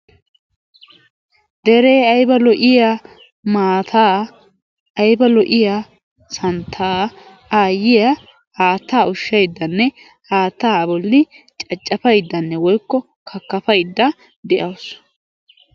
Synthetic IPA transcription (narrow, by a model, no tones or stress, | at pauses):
d̪ɛɾe̞ːɐjbɐlɔʔɪja | maːt̪ʰaː | ʔɐjbɐlɔʔɪja | sɐnt̪ʰaː | aːjɪjɐ | haːt̪ːaːʊʃːɐjd̪ːɐnːɛ | haːt̪ːaːbɔlːɪt͡ʃʼɐt͡ʃʼːɐfɐjd̪ːɐnːɛwɔjkːɔ | kʰɐkːɐfɐjd̪ːɐ | d̪ɛʔɐws